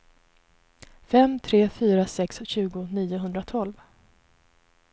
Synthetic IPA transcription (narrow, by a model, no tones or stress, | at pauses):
fɛmt̪ʰɾeːfyːɾasɛksɕʉ̟ːɡʊniːʊɦɵnd̪ɾat̪ʰɔlv